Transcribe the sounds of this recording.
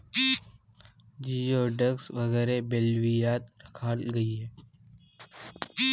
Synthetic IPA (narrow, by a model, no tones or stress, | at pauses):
d͡ʒijoɖəksʋəɣɛːɾebelʋijaːt̪ɾəkʰaːlɡəiɦɛ